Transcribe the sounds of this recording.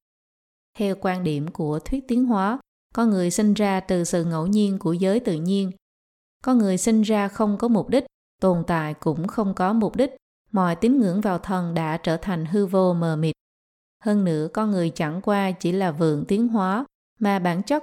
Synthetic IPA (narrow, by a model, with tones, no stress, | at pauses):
t̪ʰɛ˧wkwaː˧nɗi˧˩əmku˧˩ət̪ʰwi˦˥ət̚t̪i˨˦ənɦwaː˨˦ | kɔ˧nŋɨ˨˩əjsï˧ŋzaː˧t̪ɨ˨˩sɨ̰˧˨ŋə̰˧˥˩wɲi˧ənku˧˩əzəː˨˦jt̪ɨ̰˧˨ɲi˧ən | kɔ˧nŋɨ˨˩əjsï˧ŋzaː˧xə˧wŋ͡mkɔ˨˦mʊ˨˩k͡p̚ɗï˦˥k̚ | t̪o˨˩nt̪a̰ː˧˨jkʊ̰˧˥ŋ͡mxə˧wŋ͡mkɔ˨˦mʊ˨˩k͡p̚ɗï˦˥k̟̚ | mɔ̰˧˨jt̪i˨˦nŋɨ̰˧˥əŋvaː˨˩wt̪ʰə˨˩nɗa̰ː˧˥t͡ɕəː˧˩t̪ʰa˨˩jŋ̟ɦɨ˧vo˧məː˨˩mi˨˩t̚ | həː˧nnɨ̰˧˥əkɔ˧nŋɨ˨˩əjt͡ɕa˧˩ŋkwaː˧t͡ɕi˧˩laː˨˩vɨ̰˧˨əŋt̪i˨˦ənɦwaː˨˦ | maː˨˩ɓaː˧˩nt͡ɕə˦˥t̚